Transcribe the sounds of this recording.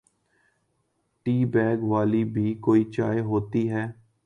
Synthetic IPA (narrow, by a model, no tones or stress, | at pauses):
ʈiːbɛːɡʋaːlibʱiːkoːiːt͡ʃa̰ːjeɦoːt̪iːɦɛː